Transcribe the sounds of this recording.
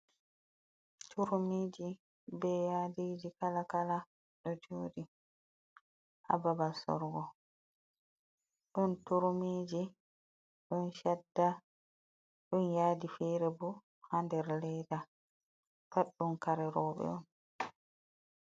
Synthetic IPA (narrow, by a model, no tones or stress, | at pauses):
tʰuɾmeːd͡ʒi | bɛjaːdiːd͡ʒikalakala | ɗɔd͡ʒoːdi | ʔa̰babasɔ̰ɾɡɔ | ɗɔntuɾmeːd͡ʒi | ɗɔnʃadːa | ɗunjaːdifɛɾɛbu | handɛɾlɛjda | faɗːunkaɾɛɾɔːɓɛ̰ɔn